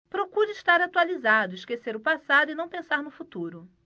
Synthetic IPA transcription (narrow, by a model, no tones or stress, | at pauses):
pɾokuɾɪiʃt̪aɾat̪ualizad̪ʊiʃkeseɾʊpasad̪ʊɪnɐ̃w̃pẽsaɾnʊfut̪uɾʊ